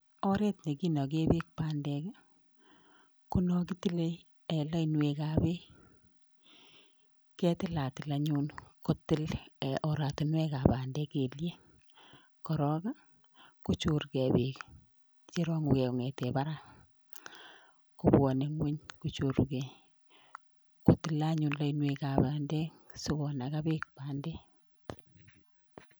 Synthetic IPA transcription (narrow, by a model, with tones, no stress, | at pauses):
ɔ˦ɾe˦tne˨ki˦nɔ˨k̬e˦be˦k̚pandɛ˨k | ku˦nɔ˦k̬i˦ti˦le˦ | e˨la˦i˨nwe˨ka˨be˦ | kɛ˦tɪ˦la˨tɪ˨la˨ɲu˦nko˦tɪ˦lʔɔ˨ɾa˨tu˨nwɛ˦ka˨ba˨ndɛ˦ke˨lje˦ | kɔ˨ɾɔ˦ka˦ | kut͡ʃu˦ɾke˨bi˨k | t͡ʃe˦ɾɔ˦ŋu˨ke˨o˨ŋe˨tepa˦ɾa˦ | ku˦bwɔ˨ne˦ŋwe˦ɲkut͡ʃu˨ɾke˨ | ko˨tɪ˨la˦ɲu˨nla˦inwe˨ka˨baː˨ndɛ˦sʊ˦ko˨na˨ka˦bi˦k̚paː˨nde˦